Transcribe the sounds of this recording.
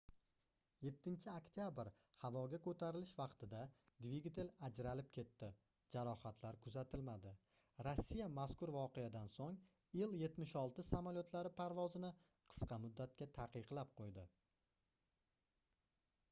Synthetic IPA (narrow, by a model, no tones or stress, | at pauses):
je̞t̪ʰːɪnt͡ʃʰɪakt̪jabɪɾ | havɒɡʲakʰɵt̪ʰaɾɪlɪʃvɑqt̪ʰɪd̪ad̪viɡʲit̪ʰelad͡ʒɾalɪp̚kʲʰe̞t̪ʰːɪ | d͡ʒaɾɒhat̪ʰlaɾkʰʊzat̪ʰɪlmad̪ɪ | ɾasːijamaskʊɾvɒqejad̪ansoŋ | jɪlje̞t̪mɪʃɒlˠt̪ɪsamaljot̪ʰlaɾɪpʰaɾvɒzɪnɪ | qʰɨ̥sqɑmʊd̪ːat̪̚kʲat̪ʰaqɨqlˠap̚qʰojd̪ɪ